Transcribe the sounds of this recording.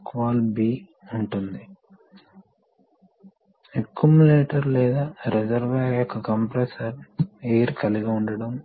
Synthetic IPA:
kʋaːlbiː | uɳʈund̪i | ekːjumuleːʈɐɾlɛːd̪aːɾed͡ʒɐɾʋɐjɔkːɐkɐmpɾesɐɾeːɾkɐliɡɐuɳɖɐɽɐm

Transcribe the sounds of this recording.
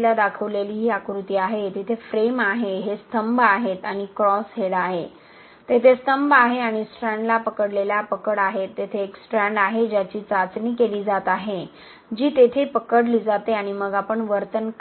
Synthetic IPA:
lad̪akʰəʋleliːɦiːakɾut̪iːaɦet̪it̪ʰefɾemaɦeɦest̪ʰəmbʱaɦet̪aɽ̃ikɾɔsɦeɽaɦe | t̪et̪ʰest̪əmbʱaɦeaɽ̃isʈɾɛ̃ɳɖlapəkəɽleljapəkəɽaɦet̪ːet̪ʰeːksʈɾɛ̃ɳɖaɦed͡ʑjat͡ɕiːt͡sat͡sniːkeliːd͡zat̪aɦe | d͡ʑiːt̪et̪ʰepəkəɽliːd͡zat̪eaɽ̃iməɡapəɳʋəɾt̪ənk

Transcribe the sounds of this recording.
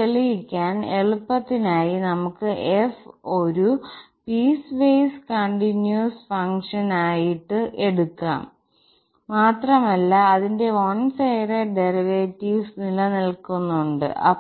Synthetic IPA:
elijikʲːaːneɭupːɐt̪ːinaːjinɐmukːɨʔefo̞ɾupiːsʋejskɐɳɖinjusfɐŋʂɐnaːjiʈːɨʔeɽukːa̰ːmː | aːt̪rɐmɐlːɐːðinde̞oɳsejreɖeriʋeːtːiʋsnilɐnilkunːuɳɖɨ̰ʔɐ̰

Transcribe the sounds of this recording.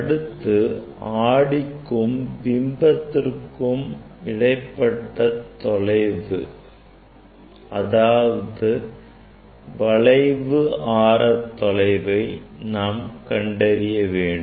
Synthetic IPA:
ɽɯt̪ːɯaːɽɪkːɯmʋɪmbɐt̪ːɪrkɯmɪɽɐɪpːɐʈːɐt̪ːɔlɐɪʋɯ̰ | ʔɐðaːʋɐðɯ | ʋɐɭɐɪʋɯʔaːɾɐt̪ːɔlɐɪʋɐɪnaːmkɐɳɖɐɾɪjɐʋeːɳɖ

